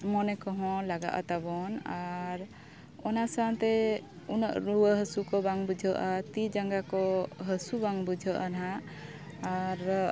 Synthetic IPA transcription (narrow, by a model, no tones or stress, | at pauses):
mɔnɛkɔɦɔ̃laɡa̰ʔa̰t̪abɔnaɾ | ɔnasant̪ɛ | unə̰ʔɾuwəɦəsukɔbaŋbud͡ʒʱəʔat̪id͡ʒaŋɡakɔɦəsubaŋbud͡ʒʱəʔanɦa | aɾ